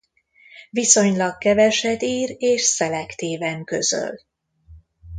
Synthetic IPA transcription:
viso̞ɲlɒkːɛvɛʃɛd̪iːreːʃsɛlɛkt̪iːvɛŋkø̰zø̰l

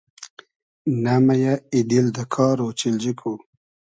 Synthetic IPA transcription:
namajaid̪ild̪əkʰɑːɾot͡ʃild͡ʒikʰo

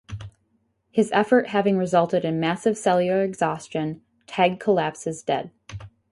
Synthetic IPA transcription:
hɨzɛfə˞ʔɦævɪ̃ŋɹɨzʌlˠtɨɾɨ̃nmæsɨv̥sɛlˠjə˞ɨɡz̥ɑst͡ʃɨ̃n | tʰæɡ̚kʰəlæpsɨzdɛ̰d̥̚

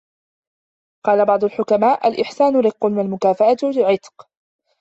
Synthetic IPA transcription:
qɑːlabɑʕd̪ˤʊlħʊkamaːʔalʔɪħsaːnʊɾɪqːʊnalmʊkaːfaʔat̪lɪlʕɪt̪ˤq

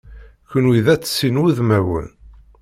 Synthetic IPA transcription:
kənwiðæt͡sːsːinwuðmæwə̰n

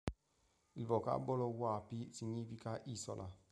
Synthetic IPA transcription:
ivɔka̰bɔlɔwapisiɲifikaʔisɔ̰la̰

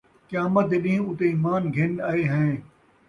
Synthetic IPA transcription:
kɪjaːmət̪̚ɪɗĩːʊt̪eiːmaːnɡʱɪnɐeːɦɛ̃ː

